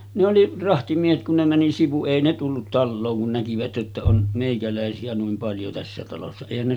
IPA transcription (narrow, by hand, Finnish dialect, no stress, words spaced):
ne oli rɑhtimiehet kun ne mæni siʋu eˑi ne tulːut tɑlːoːŋ kun nækiʋæt ʔetːæ on meˑikælæˑesiæ nuim pɑljo tæsːæ tɑlosːɑ eˑihæn ne